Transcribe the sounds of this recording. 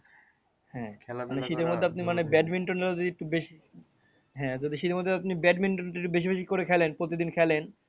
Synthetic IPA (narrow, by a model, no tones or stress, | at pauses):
hɛ̃maneʃit̪eɾmod̪ʱːeapnimanebɛɖmiɳʈoneɾod͡ʑ̪od̪iek̚ʈubeʃi | ɦɛ̃d͡ʑod̪iʃit̪eɾmod̪ʱːeapnibɛɖminʈonɾekʈːubeʃ̬ibeʃ̬ikoɾekʰɛlenpɾot̪id̪inkʰɛlen